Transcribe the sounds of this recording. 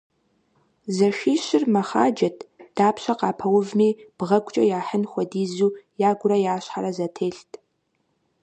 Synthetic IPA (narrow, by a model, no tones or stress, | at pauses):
zɐʃʷiːɕɪrmɐχa̰ːd͡ʒɐtʰd̥aːpɕɐqɑːpʰɐwʊvmiːb̥ʁɐkʷʼt͡ʃʼɐjaːħənxʷɔdiːzuːjaːɡʷʊɾɐjaːɕħaɾɐzɐtʰeːɬtʰʼ